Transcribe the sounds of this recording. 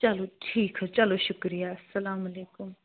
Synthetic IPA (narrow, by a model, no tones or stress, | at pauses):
t͡ʃaloʈʰikʰt͡ɕaloɕʊkɾijasɐlamɐlekʊm